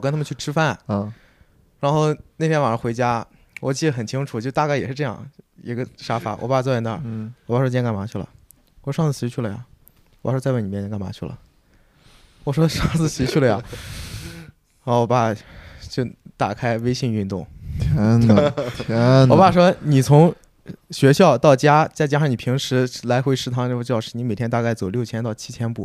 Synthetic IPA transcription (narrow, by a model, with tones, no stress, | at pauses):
kə˥nt̪ʰmə˨˧t͡ɕʰy˥˩ʈ͡ʂʰɻ̩˥fa˥˩n˧ | ɻa˧˥nxo˥˧ʊne˥˩pʰjɛ˥nwa˨˩nə˞˧˥xwe˧˥ɪt͡ɕja˥ | wɔ˨˩t͡ɕi˥˩d̪ə˩xə˨˩nt͡ɕʰi˥ŋʈ͡ʂʰu˨˩t͡ɕjʊ˥t̪ka˥˩ɪjɛ˨˩ʂɻ̩˥˧ʈ͡ʂɤ˥˧jɑ̰˥˩ŋḭ˧˥ɡə˧ʂa˥fa̰˨˩˦wɔ̰˨˩pa˥˧t͡swɔ˥˧˩ɛ˧˥nə˥˩wɔ˨˩pa˥˩ʂwɔ˥˧˥ka˥˩ma˧˥t͡ɕʰy˥˩lə̰˩ | wɔ˨˩ʂɑ˥˧ŋt͡sɹ̩˥˩ɕi˧˥t͡ɕʰy˥˩lə˩ja̰˨˩ | wpa˥˩wɔ˥t͡sni˨˩mjɛ˥˩ka˥˩nma̰˧˥t͡ɕʰy˥˩lə̰˩ | wɔ˨˩ʂwɔ˥ʂɑ˥˧ŋt͡sɹ̩˥˩ɕi˧˥t͡ɕʰy˥˩lə˩jja˨˩ | ɔ˧˥˩wɔ˨˩pa˥˩t͡ɕjo˥˩t̪a̰˨˩kʰa˥ɪwe˥ɪɕi˥˧ŋy˥˧nt̪ʊ˥˩ŋt̪ʰɛ˧˥nt̪ʰwɔ˨˩pa˥˩ʂ̬wɔ˥ni˨˩t͡sʰʊ˧˥ŋ | ɕɥɛ˧˥ɕjɑ˥˧ʊt̪ɑ˥˩ʊt͡ɕja˥t͡sa˥˩ɪt͡ɕja˥ʂɑ˥˩ni˨˩pʰi˧˥ŋʂɻ̩˧˥la˧˥ɪxwe˧˥ɪʂɻ̩˧˥t̪ʰɑ˥ŋʈ͡ʂt͡ɕjɑ˥˧ʊʂɻ̩˥˩ni˧˥me˨˩ɪt̪ʰjɛ˥nt̪a˥˧ka˥˩ɪt͡so˨˩ʊljʊt͡ɕʰjɛ˥nt̪ɑ˥˩ʊt͡ɕʰi˥t͡ɕʰjɛ˥npṵ˨˩